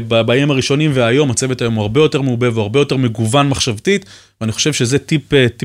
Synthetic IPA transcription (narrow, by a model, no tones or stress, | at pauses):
babaːimaʁiʃo̞nimveajo̞mat͡se̞vetajo̞mhaʁbe̞jo̞te̞ʁmeube̞veaʁbe̞jo̞te̞ʁme̞ɡuvanmaχʃavt̪it̪vveaniχoʃe̞vʃe̞zetipeti